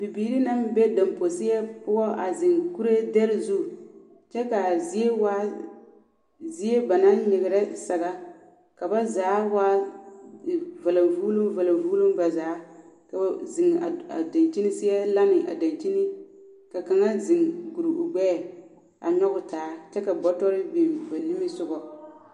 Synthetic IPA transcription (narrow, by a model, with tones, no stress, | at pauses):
b̥i˨biː˨ɾi˦na˦mbɛ˦da˨mpo˨sɪ˦ɛ˦pʊ˦ɔ˦ʔa˨zɪ˨ŋku˦ɾe˦dɛ˦ɾɪ˦zu˦˨ | t͡ʃɛ˦ka˨zi˦e˦waː˦ | zi˦e˦ba˨na˦nnɪ˨ɡɪ˨ɾɛ˦sa˨ɣa˦ | ka˨ba˦zaː˨˦waː˦˨ | va˨la˨mvuː˦lu˦mva˨la˨mvuː˦lu˦mba˨zaː˨˦ka˨zɪ˨ŋa̰˨a̰˨da˨nt͡ʃi˦nɪ˦sɪ˦ɛ˦la˦nɪ˨ʔa̰˨da˨nt͡ʃi˦nɪ˦ | ka˨ka˨ŋa˦zɪ˨ŋɡu˨ɾi˨ʊ˨ɡ͡bɛː˦˨ | a̰˨ɲɔ˦ɣʊ˦taː˨˦t͡ʃɛ˦ka˨bɔ˦tɔ˦ɾɪ˦bi˨va˨nːɪ˦mɪ˦sʊ˦ɡɔ˨